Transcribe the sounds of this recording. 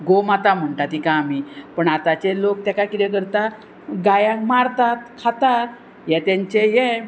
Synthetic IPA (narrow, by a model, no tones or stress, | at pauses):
ɡomat̪am̤əɳʈ̪at̪ikaːmipəɳat̪at͡ɕelok̚t̪jakakit̪ek̬əɾt̪a | ɡajãkmaɾt̪at̪kʰat̪at̪̚ | jɛt̪jaɲt͡ɕejɛ